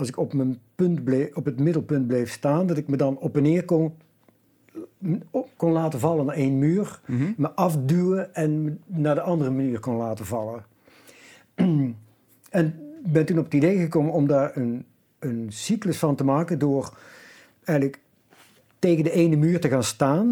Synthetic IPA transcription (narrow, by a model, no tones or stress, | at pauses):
ɑlˠsɪkɔpmənpɵntblɔpɦətmɪdəlˠpɵnt̚blejfstaːndɑtɪkmədɑnɔpɛnɪːɹkɔn | kɔnlaːtəvɑlˠənaːɹenmyːɹməʔɑfdywəɛnmənaːɹdəʔɑndərəmaniːɹkɔnlaːtəvɑlə | ɛnbɛntunɔpətidejɣəkoːmənɔmdaːɹən | ənsikləsfɑntəmaːkədʊːɹ | ɛjɣələk | tejɣəndəʔejnəmyːɹtəɣaːnstaːn